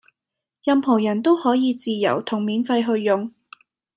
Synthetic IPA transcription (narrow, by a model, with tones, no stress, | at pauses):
jɐ˨˧mpʰo˨˩wjɐ˨˩nt̪o˥whɔː˨˥jiː˨˧t͡siː˨˧jɐ̰˨˩wt̪ʰʊ˨˩ŋmiː˨˥nfɐ˧jɦɵ˧ɥːʊ˨ŋ